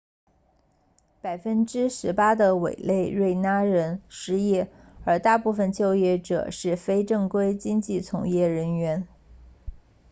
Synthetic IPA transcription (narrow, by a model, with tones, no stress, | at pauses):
pa˨˩ɪfə˥nʈ͡ʂɻ̩˥ʂɻ̩˧˥pa˥d̪ə˨wḛ˨˩ɪle˥˧ɪɻwe˥˩ɪna˥ɻə˧˥nʂɻ̩˧˥jɛ˥˩ə˞˧˥t̪a˥˧pu˥˩fə˩nt͡ɕjo˥˧ʊjɛ˥˩ʈ͡ʂɤ̰˨˩ʂɻ̩˥˩fe˥ɪʈ͡ʂɤ˥˩ŋkwe˥ɪt͡ɕi˥ŋt͡ɕi˥˩t͡sʰʊ̰˧˥ŋjɛ˥˩ɻə˧˥nɥɛ˧˥n